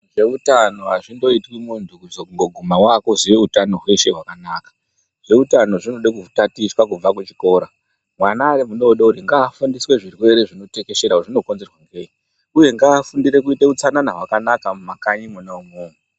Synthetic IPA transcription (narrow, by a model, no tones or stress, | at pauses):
ʐe̞utano̞ɦaʐindo̞itwimuntukuzoŋɡoɡʱumawakoziʋeutano̞ɦwe̞ʃe̞ɦwakanaːkḁ | ʐ̥e̞utano̞ʐinoɗek̬utatiswakub͡vakut͡ʃi̥ko̞ːɾa | mwanaːɾemuno̞ɗauɾiŋɡaːfundiswe̞ʐirwe̞ɾe̞ʐino̞te̞ke̞ʃeɾauʐino̞konze̞rwaŋɡeːi | uje̞ŋɡaːfundiɾe̞k̬uiteut͡sananaɦwakanakamumakaɲimunaumoːmu